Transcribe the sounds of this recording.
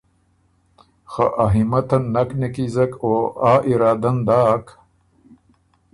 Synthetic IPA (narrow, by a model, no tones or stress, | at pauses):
xa̰ʔaɦimɐt̪ɐnːɐknekizɐkoaːʔiɾaːd̪ɐnd̪aːk